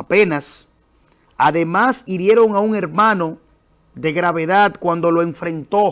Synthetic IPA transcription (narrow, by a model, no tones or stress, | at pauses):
penas | aðe̞masiɾje̞ɾo̞ŋauŋe̞ɾmãno̞ | ðe̞ɣɾaβe̞ðad̪kwand̪o̞loe̞ɱfɾẽ̞nt̪o̞